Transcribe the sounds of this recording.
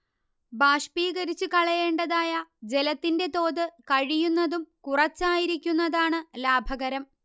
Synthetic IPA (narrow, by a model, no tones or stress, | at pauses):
baːʂpiːɣɐɾit͡ɕːukɐɭɐje̞ːɳɖɐðaːjɐd͡ʑe̞lɐt̪ːinde̞t̪o̞ːðɨkɐɻijunːɐðumkurɐt͡ɕːaːjiɾikʲːunːɐðaːɳɨlaːbʱɐɣɐɾɐm